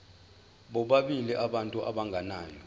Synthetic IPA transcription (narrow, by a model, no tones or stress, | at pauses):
ɓɔɓaɓiliʔaɓantʼuʔaɓaŋɡʱanaːjɔ